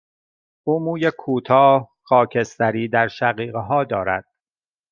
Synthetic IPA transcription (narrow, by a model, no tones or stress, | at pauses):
ʔuːmuːjekʰuːt̪ʰɒː | xɒːcʰest̪æɾiːd̪æɾʃæɣiːɣeɦɒːd̪ɒːɾæ̰d̪̥